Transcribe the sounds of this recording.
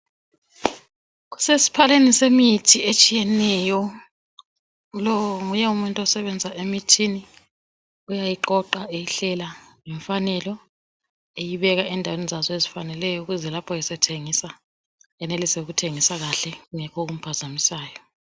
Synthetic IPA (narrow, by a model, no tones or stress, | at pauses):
ɣu̥sesi̥pʰalenisemitʰiet͡ʃʼijɛnɛjɔ | lɔwŋujɛumuntʼɔsɛβɛnd͡zʱaʔemitʰini | ujajiǃɔǃaejiɬɛlaŋɛɱfanɛlɔ | ejiβɛɣaɛndʱawenizazɔezifanɛlɛjɔuɣuzɛlapʰɔjɛsɛtʰeŋisa | ɛnelisɛuɣutʰeŋisaɣaɬɛuŋɛkʰɔɣum̩pʰazamisaːjɔ